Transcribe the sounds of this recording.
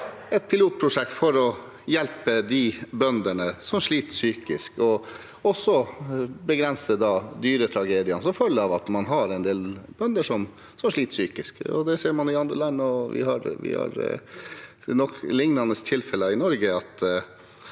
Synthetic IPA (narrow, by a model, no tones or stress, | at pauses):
ɛt̪̚pʰɪluːt̪̚pʰɾʊʂɛk̚t̪fɔɾɔ | jɛlpəd̪ibœnd̪əɳəsɔmʂɭiːt̪syːkɪskɔ | ɔsːɔbəɡɾɛnsəd̪ɑːd̪yːɾət̪ʰɾɑɡeːd̪ɪɑnsɔfœlːɑʋɑt̪mɑnɦɑɾɛɪnd̪eːlbœnd̪əʂɔm | sɔmʂɭiːt̪syːkɪskɔ̰d̪ɛseːɾmɑnɪɑnd̪ɾə̰lɑnːɔʋɪ̰hɑ̰ɾʋɪ̰hɑ̰ɾ | nɔklɪŋnɑnəst̪ʰɪlfɛləɪnɔɾɡəɑt̪